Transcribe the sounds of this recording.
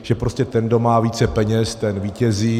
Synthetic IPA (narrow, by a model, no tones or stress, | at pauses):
ʒ̥ɛpɾo̞scɛt̪ɛndo̞maːviːt͡sɛpɛɲɛst̪ɛnviːcɛziː